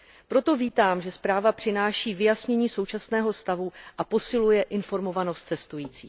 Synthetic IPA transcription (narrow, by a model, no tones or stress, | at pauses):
pɾo̞t̪o̞viːt̪aːmʒɛspɾaːvapr̝̥ɪnaːʃiːvɪjasɲɛɲiːso̞wt͡ʃasnɛːɦo̞st̪avuʔapo̞sɪlujɛʔɪnfo̞ɾmo̞vano̞st̪t͡sɛst̪ujiːt͡siː